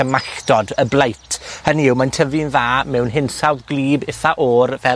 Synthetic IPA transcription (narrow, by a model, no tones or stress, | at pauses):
əmaɬdɔdəblˠejtʰhəniɪwmajntʰəvɪnðaːmɛwnɦɪnsawðɡlˠiːbɪθaʔɔːrvɛ